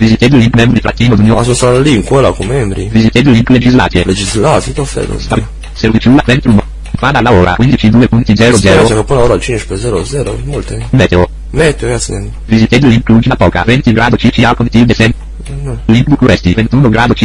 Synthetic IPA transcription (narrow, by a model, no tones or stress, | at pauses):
vizit̪ed̪eliŋkmɛmbɾiifɾat̪ːiːnod̪unjosonst̪at̪aliŋkwɛlakumːɛmbɾivizit̪ed̪liŋkled͡ʒizla̰ːt̪ieled͡ʒizlat̪it̪ɔfɛ̰d̪o̰st̪a | seɾvit͡ʃiulavɛnt̪ɾuno | fad̪alaoɾa̰kwind̪it͡ʃid̪uepunt̪id̪zɛɾozɛːɾaosɛkapːunaoɾat͡ʃinit͡ʃi̥ped̪zɛɾod̪zɛɾo̰molt̪emɛt̪eo | mɛt̪eɡat̪siɛ | vizit̪ed̪liŋklud͡ʒid̪apɔka̰vɛnt̪iɡɾad̪ot͡ʃit͡ʃialkõnt̪ivd̪esɛn | nliŋkbukuɾɛst̪ivent̪uːnoɡɾad̪ot͡ʃi